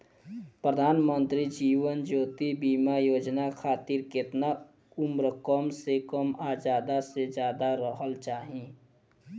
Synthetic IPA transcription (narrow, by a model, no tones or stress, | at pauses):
pɾəd̪ʱaːnmə̃nt̪ɾid͡ʒiːʋənd͡ʒoːt̪ibiːmajoːd͡ʒnakʰaːt̪iɾkɪt̪na | ʊmɾəkɔːmsekəmaːd͡ʒaːd̪ased͡ʒjaːd̪aɾəɦəlt͡ʃaːɦĩ